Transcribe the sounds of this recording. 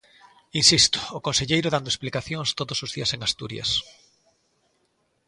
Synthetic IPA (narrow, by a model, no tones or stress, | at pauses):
insist̪ʊ̥ːkõnseʎejɾʊðand̪oesplikaθjoŋst̪oðosozðiɐseŋast̪uɾjɐ̰s